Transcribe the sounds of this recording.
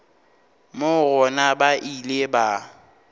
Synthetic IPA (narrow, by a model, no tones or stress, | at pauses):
mʊɣɔnabaʔileba